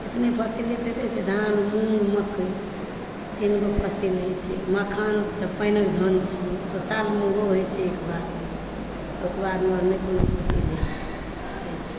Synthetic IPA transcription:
et̪nepʰəsilet̪et̪et͡ʃʰɛd̪ʱanmũməkə | t̪inɡopʰəsilɦojt͡ʃʰɛ̰makʰant̪ɔpəɪnəkd̪ʱənt͡ʃʰit̪ɔsalmeɾoɦojt͡ʃʰɛekbad̪ | əkbad̪məɾmekonopʰəsilɦet͡ʃʰɛ̥ | ɦəjt͡ʃʰɛ̥

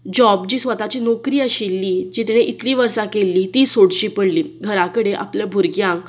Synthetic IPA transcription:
d͡ʑɔbd͡ʑiːsʋət̪at͡ɕiːnokɾiːəɕilːid͡ʑit̪ineʔit̪liːʋəɾsakelːiːt̪iːsoɽɕiːpəɽliːɡʱəɾakəɽeʔa̰pljabʱuɾɡjãk

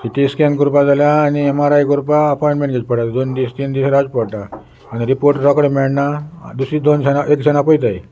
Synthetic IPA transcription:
siʈiskɛ̃nkuɾpad͡zaljãːniɛmaɾajkuɾpaəpɔjɳʈmẽɳʈɡet͡ɕpəɽʈat̪d̪ond̪ist̪iːnd̪isɾad͡zpɔɽʈaː | niɾipoɾʈɾɔkəɽmɛɭnad̪usɾid̪onsɛnaʔekt͡ɕʰɛnapɔjt̪aj

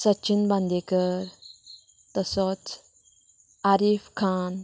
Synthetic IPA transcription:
sətːɕʰinbãnd̪ekəɾ | t̪əsɔt͡s | aɾifkʰan

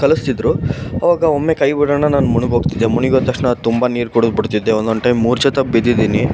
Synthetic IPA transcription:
kɐlust̪id̪ɾuɐʋaːɡɐomːe̞kɐjbiɽɐnːɐnaːnmuɳiɡɦoːɡt̪id̪ːemuɳiɡoːt̪ɐkʂɳɐt̪umbaniːɾkuɽud̪biɽt̪id̪ːeond̪onɳɖʈɐjmːuːɾt͡ʃɐt̪ɐpbid̪id̪iːni

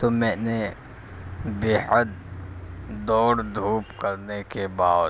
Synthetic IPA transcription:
t̪omɛ̃ːne | beːɦəd̪̚ | d̪ɔːɾd̪ʱuːpkəɾnekebaːd

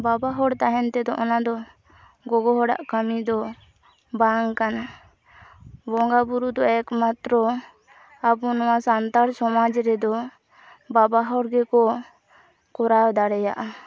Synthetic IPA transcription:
babaɦɔɽt̪aɦɛnt̪ɛd̪ɔʔɔnad̪ɔ | ɡɔɡɔɦɔɽa̰ʔkamid̪ɔ | baŋkana | bɔŋɡabuɾud̪ɔɛkmat̪ɾɔ | abɔnɔwasant̪aɽsɔmad͡ʒɾɛd̪ɔ | babaɦɔɽɡɛkɔ | kɔɾawd̪aɽɛja̰ʔa

